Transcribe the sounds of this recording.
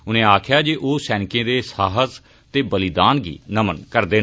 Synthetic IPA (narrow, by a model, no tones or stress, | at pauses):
ʊnẽːaːkʰjaːd͡ʒeːʔoːsɛːnɪkẽːd̪eːsaːɦəz | t̪eːbəlɪid̪aːnɡḭːnəmənkəɾd̪eː